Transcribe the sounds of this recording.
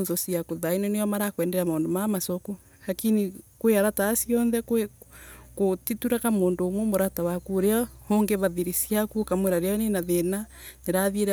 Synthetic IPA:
ðosiakoðainonejɔmaɾakwɛːndɛɾamaːndomamasoku | ɾakinikweaɾataːsiɔnðɛk | kotituɾakamoːndoːmwemoɾatawakuɾeahoŋɡeβaðiɾisiakukamweɾaɾeanenaðena | neɾaðieɾ

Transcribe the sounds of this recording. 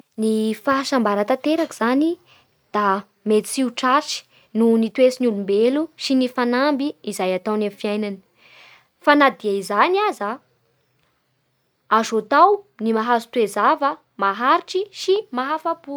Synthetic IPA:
nifaʃambaɾət̪at̪eɾakiz̥ani | d̪̥a | met̪i̥t͡siuʈ͡ʂaʈ͡ʂi̥ | nunit̪wesinulumbeluʃinifanambiːzajat̪awnamfiajnanə̥ | fanad̪iaizaniaza | azot̪awnimaɦazu̥t̪wezavə | maɦaɾiʈ͡ʂisimaɦafapu

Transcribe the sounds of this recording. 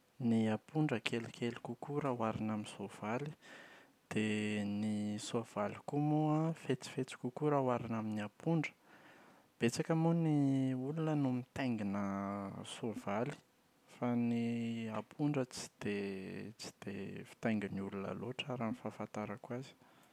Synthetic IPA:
niapuɳɖ͡ʐəkʰelikʰelikukuɾawaɾinaminsov̥ali | d̪̥enisov̥alikumuafet͡si̥fet͡si̥kukuɾawaɾinaminiapʰuɳɖ͡ʐə̥ | b̥et͡sakəmuniulunənumit̪ajŋɡinəsov̥ali̥ | faniapʰuɳɖ͡ʐət͡si̥d̪̥et͡si̥d̪̥ḛfi̥t̪ajŋɡiniulunə̰loʈ͡ʂaɾanifafant̪aɾakwazi̥

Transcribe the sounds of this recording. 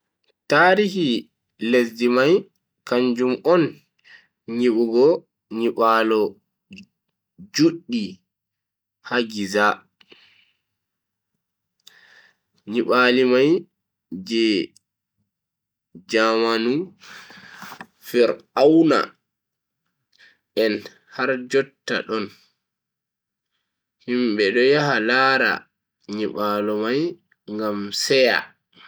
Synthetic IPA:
taːɾihi | lesdimaj | kaɲd͡ʒumɔn | ɲiɓuɡɔ | ɲiɓalɔ | d͡ʒuɗːi | haɡiza | ɲiɓalimaj | d͡ʒɛ | d͡ʒamanu | fɛɾawna̰ | ʔɛn | haɾd͡ʒɔtːa̰ɗɔn | himɓɛɗɔjaɦalaːɾa̰ | ɲiɓalɔmaj | ŋɡamsɛja̰

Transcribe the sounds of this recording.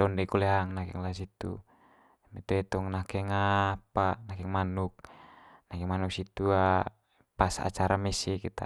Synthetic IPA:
dɔndɛkuleaŋnakɛ̰ŋlas̬it̪ṵ | mit̪uɛt̪ɔŋnakɛŋapanakɛŋmanuk̚nakɛŋmanuk̚sit̪ua | pasaa̰t͡ʃaɾamɛsikit̪a̰

